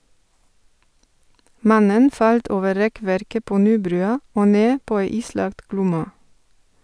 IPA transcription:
ˈmɑnən ˈfɑlt ˈoːʋə ˈɾɛˌkʋæɾkə ˈpoː ˈnyːˌbɾʉːɑ ˈoː ˈneː ˈpoː ˈæɪ ˈiːˌslɑɡt ˈɡlʊmɑ

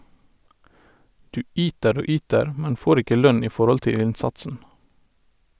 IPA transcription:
ˈdʉː ˈʔyːtəɾ ˈoː ˈyːtəɹ ˈmɛn ˈfoːɾ ˈɪkə ˈlœn ˈiː ˈfɔɾɔl ˈtɪl ˈɪnˌsɑtsn̩

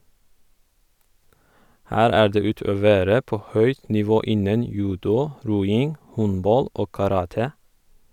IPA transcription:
ˈhæːɾ ˈæː ˈɖeː ˈʉːˌtøːˌʋeːɾə ˈpoː ˈhœʏt nɪˈʋoː ˈɪnən ˈjʉːdʊ ˈɾuːˌɪŋ ˈhɔnˌbɑl ˈoː kɑˈɾɑːtə

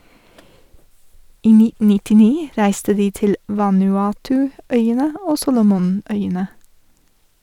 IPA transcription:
ˈiː ˈnɪtn̩ nɪtɪˈniː ˈɾæɪstə ˈdiː ˈtɪl ʋɑnʉˈɑːtʉˌœʏənə ˈoː ˈsuːlʊmʊˌnœʏənə

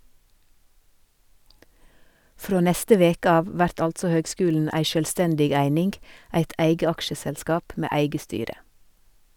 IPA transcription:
ˈfɾoː ˈnɛstə ˈʋeːkə ˈɑːʋ ˈʋæɾt ˈɑltsɔ ˈhøːɡˌskʉːln̩ ˈæɪ ʃœlˈstɛndɪɡ ˈæɪnɪnɡ ˈæɪt ˈʔæɪɡə ˈɑkʃəsɛlˌskɑːp ˈmeː ˈæɪɡə ˈstyːɾə

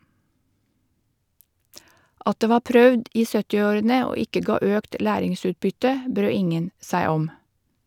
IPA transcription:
ˈɑt ˈdeː ˈʋɑː ˈpɾœʋd ˈiː ˈsœtɪ ˈoːɾənə ˈoː ˈɪkə ˈɡɑː ˈøːkt ˈlæːɾɪŋˌsʉːtbʏtə ˈbɾøː ˈɪŋən ˈsæɪ ˈɔm

